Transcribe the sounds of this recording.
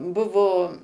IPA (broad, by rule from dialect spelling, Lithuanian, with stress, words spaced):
ˈbʊʋoː